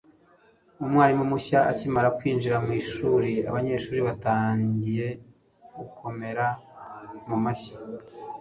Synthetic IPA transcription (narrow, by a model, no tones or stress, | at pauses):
umŋaːɾimumuçaacimaɾakwiːnʒiɾamwiːʃuːɾia̰βaɲe̞ːʃuːɾiβataːɲɟije̞ | ɡukʰo̞me̞ɾa | mumaçḁ